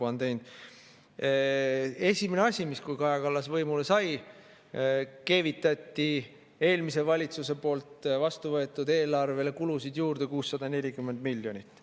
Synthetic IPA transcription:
ɑnt̪e̞jnd̪̥ | e̞sʲimeneɑsʲimiskujkɑjɑkɑlːɑsvɤjmule̞sɑj | ke̞ːvit̪ːˑɑt̪ʲːi | e̞ːlmis̬e̞vɑlʲit̪suse̞po̞ːlt̪vɑst̪uvɤe̞t̪ːˑud̪e̞ːlɑrve̞le̞kulusid̪juːɾd̪̥ekuːsːɑd̪̥ɑne̞lʲikymːe̞nd̪̥milʲːjo̞nʲit̪ːˑ

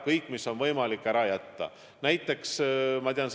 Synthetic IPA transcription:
kɤjkːˑmisːo̞nvɤjmɑlikːˑæɾɑjæt̪ːɑ̰ | næjt̪ːˑe̞ksmɑt̪iɑns

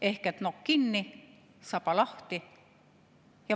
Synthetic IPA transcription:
ehket̪nokːinːi | sɑpɑlɑht̪i | jɑ

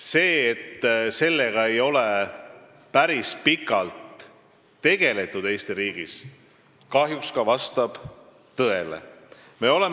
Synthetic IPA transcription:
se̞ːet̪ːse̞lːe̞ɡ̥ɑe̞jo̞le | pæɾispikːˑɑlt̪ː | e̞ɡ̥e̞le̞t̪ˑːud̪̥e̞ːst̪iɾiːɡ̥is | kɑɦjukskɑvɑst̪ɑb̥ | t̪ɤe̞lḛ | me̞o̞le̞

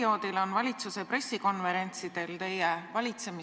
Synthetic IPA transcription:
o̞ːd̪̥ilo̞nvɑlʲit̪suse̞pre̞sːiko̞nve̞ɾe̞nʲt̪sid̪̥e̞lt̪e̞jevɑlʲit̪se̞mi

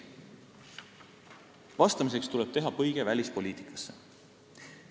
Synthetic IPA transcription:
vɑst̪ɑmise̞kst̪uleb̥t̪e̞ɦɑpɤjɡ̥e̞vælʲispo̞lʲiːt̪ˑi̥kːˑɑ̥sːe

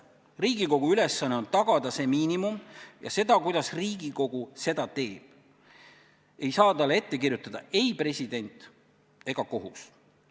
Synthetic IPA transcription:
riːɡiko̞ɡ̥uyle̞sːɑnːe̞o̞nt̪ɑɡ̥ɑd̪ɑse̞miːnimumjɑ̰se̞d̪ɑkujd̪̥ɑsriːɡ̥iko̞ɡ̥use̞d̪̥ɑt̪e̞ːb̥ | e̞jsɑːt̪ɑlːee̞t̪ːe̞k̬irjut̪ːˑɑd̪̥ɑe̞jpre̞sʲid̪e̞nʲt̪ˑ | e̞ɡ̥ɑko̞ɦus

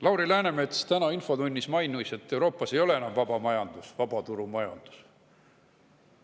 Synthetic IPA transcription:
lɑwɾilæːne̞me̞t̪st̪ænɑinfo̞d̪unʲːismɑjnujse̞t̪ːe̞wɾo̞ːpːˑɑse̞jo̞le̞enɑmvɑb̥ɑmɑjɑnd̪̥usvɑb̥ɑt̪uɾumɑjɑnd̪̥u̥s

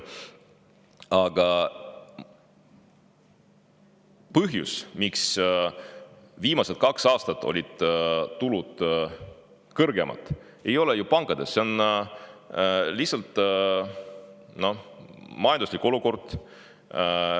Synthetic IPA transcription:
ɑɡ̥ɑ | pɤɦjṵsmiks | viːmɑse̞t̪̚kɑksɑːst̪ɑt̪ːˑo̞̰lʲid̥̪ːulud̪̥ | kɤrɡe̞mʔɑ̰t̪ːˑ | e̞jo̞lejupɑŋkɑd̪̥e̞sːe̞on | lihsɑlt̪ˑ | no̞mɑjɑnd̪uslʲikːˑo̞luko̞rd̪̥

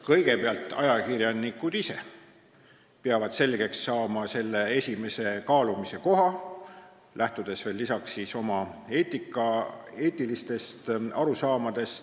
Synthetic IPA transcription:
kɤ̞jɡ̥e̞peɑlt̪ːˑɑ̰jɑkirjɑnikːˑud̪̥ise̞̰ | peɑvɑd̪̥se̞lɡ̥e̞ksːɑːmɑse̞lːe̞e̞sʲime̞se̞kɑːlumise̞ko̞ɦɑ | lʔæht̪ud̪̥e̞sve̞ːlːisɑksːiːso̞mɑe̞ːt̪ˑikːˑɑ | e̞ːt̪ːˑilist̪e̞st̪ɑɾusɑːmɑd̪̥e̞st̪

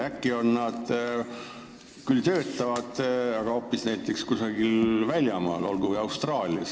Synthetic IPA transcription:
ækːio̞nːɑd̪̥ | kylt̪ø̞ːt̪ˑːɑvɑd̪̥ɑɡ̥ɑo̞ːpːˑisnæjt̪ːˑe̞kskusɑɡ̥ilvælʲjɑmɑ̰ːlo̞̰lɡuvəjɑwst̪rɑːlʲiɑs

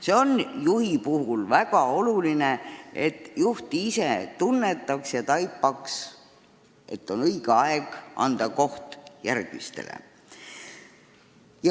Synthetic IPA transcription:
seo̞njuhipuɦulvækɑo̞luline̞et̪ːˑjuht̪iiset̪unːe̞t̪ːˑɑksjɑt̪ɑjpˑːɑks | ʔe̞t̪ːo̞nɤiɡeɑeɡ̥ʔɑ̰nd̪̥ɑko̞ht̪jærɡ̥mḭst̪e̞̰lḛ | jɑ

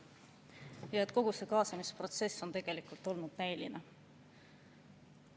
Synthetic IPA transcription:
jɑet̪ˑko̞ɡ̥usekɑːsɑmispro̞t̪se̞sːo̞nt̪e̞ɡ̥e̞likult̪ˑo̞lnud̪̥næjline

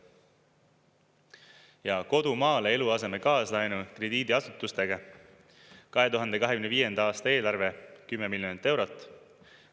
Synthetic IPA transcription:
jɑko̞d̪̥umɑːlee̞luɑse̞me̞kɑːslɑjnukre̞d̪̥iːd̪iɑsut̪ːˑust̪e̞ɡɑ | kɑɦe̞t̪uɦɑnd̪ekɑɦe̞kynviːje̞nd̪ɑɑːst̪ɑe̞ːlɑrve̞kymːe̞miljonit̪ːˑe̞wɾo̞t̪ːˑ

